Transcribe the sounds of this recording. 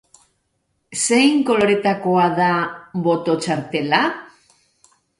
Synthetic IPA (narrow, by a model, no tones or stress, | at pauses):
se̞jŋko̞lo̞ɾe̞t̪ako̞aðaβo̞t̪o̞t͡ʃaɾt̪e̞la